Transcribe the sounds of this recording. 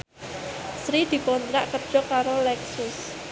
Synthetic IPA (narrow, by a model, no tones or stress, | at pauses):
sɾid̪̥i̤kɔnt̪ɾaʔkərd̥ʒ̥ɔ̤kaɾolɛksʊs